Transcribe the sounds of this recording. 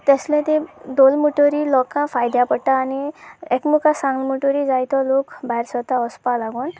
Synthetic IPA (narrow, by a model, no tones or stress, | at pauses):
t̪eslẽt̪ẽd̪olmuʈɔɾilɔkafajd̪japəɽʈaːniekmukasãŋɡlmuʈɔɾid͡zajt̪ʰɔlokbajɾsɔt̪aɔspalaɡun